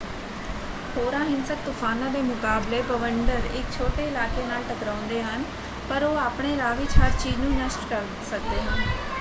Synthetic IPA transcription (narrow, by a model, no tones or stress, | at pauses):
hoːɾãːɦɪnsək̚t̪ʊfʰaːnãːd̪eːmʊkaːbleːbəʋəɳɖəɾɪk̚t͡ʃʰoːʈeːɪlaːkeːnaːlʈəkɾãːʊ̃nd̪eːɦən | pəɾoːaːpɽ̃eːlaːʋɪt͡ʃɦəɾt͡ʃiːd͡ʒnũːnəsʈkəɾ | sək̚d̪eːɦən